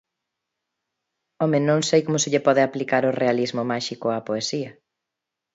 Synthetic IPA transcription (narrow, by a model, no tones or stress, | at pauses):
ɔmẽnõŋsejkomʊsɪʎepɔðeaplikaɾʊrealizmʊmaʃikʊapoesiɐ